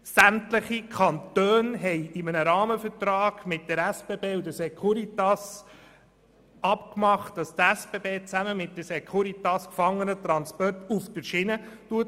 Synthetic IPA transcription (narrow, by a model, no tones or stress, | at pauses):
sæmt̪ləχikʰɑntøːnɦɛjɪmənəɾɑːməfəɾtɾɑːɡ̥mɪt̚d̥əɾæspebeːud̪əsɛkʰuɾit̪ɑs | ɑpkmɑχt̚d̥ɑst̪æsb̥eːbeːt͡sæməmɪt̚d̥əsekχuɾitɑskfɑŋːənət̪ɾɑnspɔrtufdəɾʃɪnətuət